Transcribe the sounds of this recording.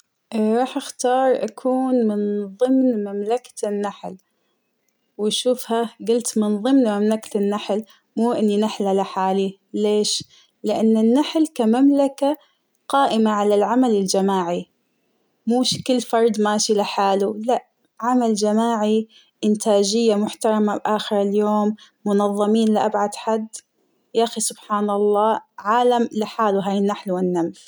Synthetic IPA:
ɾˤɑːħʔaxt̪ɑːɾˤʔa̰kʰuːnmɪnðˤɨmnmamlakḁnːaħl | wɪʃuːfhaɡʊlt̪mɪnðˤɨmnmamlakanːaħl | muːʔɪnːinaħlalɪħaːli | leːʃ | lɪʔanːɪnːaħlkamamlaka | qɑːʔɪmaʕalalʕamalɪld͡ʒamaːʕi | muːʃkɪlːfɑɾˤd̪ˤmaːʃilɪħaːlulaʔ | ʕamald͡ʒamaːʕi | ʔɪnt̪ʰaːd͡ʒɪjːamʊħt̪ɑɾˤɑmabʔaːxɪɾɪljoːmː | ʊnɑðˤːɑmiːnlɪʔabʕad̪ħad̪ː | ʔʔaxisʊbħaːnɑlˤːɑːʕaːlamlɪħaːluɦaːjɪnːaħlwɪnːams

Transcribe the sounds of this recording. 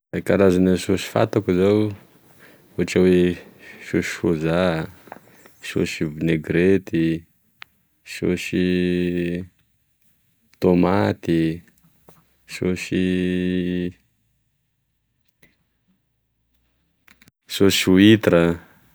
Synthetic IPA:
ekaɾazanasosi̥fa̰t̪akuzaw | uaʈ͡ʂawesosi̥foza | so̰ʃivuneɡɾet̪i | so̰si | t̪omat̪i | so̰si | sosuit̪ɾə

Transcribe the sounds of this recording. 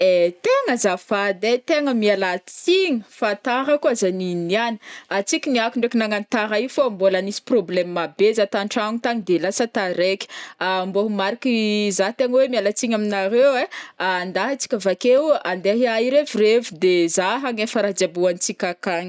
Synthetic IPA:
et̪eŋəzafad̪et̪eŋəmialat͡siŋəfat̪aɾəkuazaniniani̥at͡sikʲiniakuɳɖ͡ʐekinaŋanit̪aɾaifombolanisi̥problɛmmabezat̪aɳʈ͡ʂaŋit̪aŋid̪elasət̪aɾekʲi̥amboɦumaɾikizat̪eŋəwemialat͡siɲaminaɾeweand̪aɦət͡si̥kʲavakeand̪eaɦiaiɾevirevud̪ezaɦaŋefəɾad͡ʒabuant͡sikʲakaŋi

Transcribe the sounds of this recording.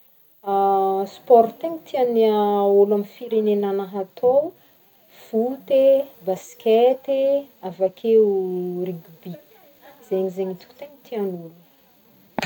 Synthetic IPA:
aspɔɾt̪iŋt̪ʰianiolamifiɾenenanaɦat̪ʰow | v̥ut̪ebaskʲet̪eavakʲʰeriɡʲubi | z̥eɲizeɲit̪u̥kʲu̥t̪eɲit̪ʰianulu

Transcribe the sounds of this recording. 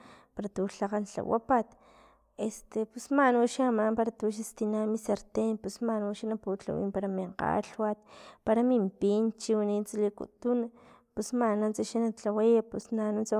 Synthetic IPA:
paɾat̪uɬaqant͡ɬa̰wa̰pat̪ | est̪epusmanuʃamaːmpaɾat̪uʃ̬ast̪inamisaɾt̪enpusmanuʃanapuːt͡ɬa̰wḭːmpaɾamiɴqa̰ɬwat̪̚paɾamimpint͡ʃiwanit͡salikṵt̪una | pusmanant͡saʃanat͡ɬawajapusnanunt͡sa

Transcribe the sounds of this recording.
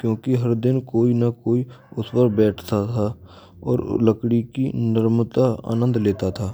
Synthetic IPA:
kjõːkiɦɐɾd̪ɪnkoːinakoːiʊspəɾbɛːʈʰt̪at̪ʰa | ɔ̰ːɾ̰ləkɽikḭnɪɾmt̪aa̰ːnə̃nd̪leːt̪at̪ʰaː

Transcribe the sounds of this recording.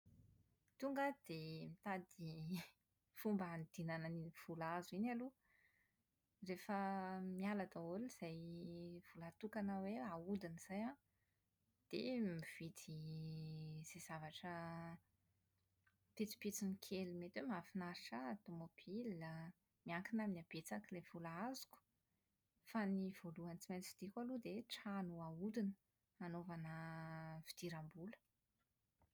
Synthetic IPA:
t̪uŋɡəd̪̥emit̪ad̪i | fumbaand̪̥inanəniv̥ulazuinalu | refəmialad̪aoliz̥ajv̥ulat̪ukanəweaud̪iniz̥ajã | d̪̥ḛmiv̥it̪i | z̥ez̥avaʈ͡ʂə | pit͡si̥pit͡sinikʰelimet̪wemafinaɾiʈ͡ʂət̪omob̥ilːa | miaŋkinaminab̥et͡sakilev̥ulaazu̥ku̥ | faniv̥oluant͡simajt͡si̥vi̥d̪̥ikwalud̪eʈ͡ʂanuaud̪inə̥ | anovanəvid̪̥iɾambulə̥

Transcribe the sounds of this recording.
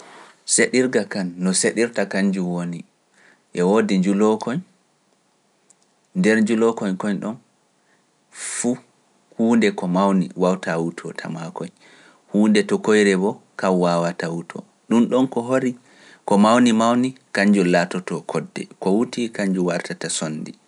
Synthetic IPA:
seɗiɾɡakanːɔseɗiɾtakaɲd͡ʒuwoni | ʔɛwodiɲd͡ʒulɔkɔɲ | ndɛɾɲd͡ʒulɔkɔɲkɔɲɗɔn | fu | huːndɛkɔmawnḭwawtʰawutʰɔ̰tʰa̰makɔj | huːndɛtɔkojɾɛbɔkawwawatawutʰɔ̰ | ɗumɗɔnkɔɦoɾi | kɔmawnimawnikaɲd͡ʒulatɔtɔkʰɔdːɛ̰kɔwutikaɲd͡ʒuwaɾtatasonːdi

